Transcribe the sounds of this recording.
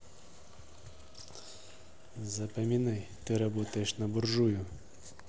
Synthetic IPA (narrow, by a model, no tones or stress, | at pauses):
zɐpɐmʲinajt̪ɪɾɐbɔt̪ɐjeʂnɐbʊrʒujʊ